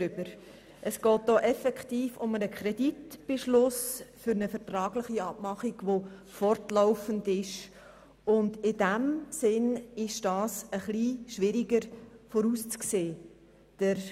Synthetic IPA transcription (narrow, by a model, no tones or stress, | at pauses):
ʏb̥əɾ | ʔəsɡ̥ɔːt̚d̥ɔːʔɛfɛktiːfʊmənəkʰχɾɛditb̥eʃlʊsfʏɾnəfəɾtɾɑːɡlɪχiɑb̥mɑχiɡʋo | fɔrtlaʊfəndɪʃ | ʊndɪdæmsɪnɪʃd̥ɑːsəχliʃʋɪɾiɡəɾfɔɾust͡skseː | d̥əɾ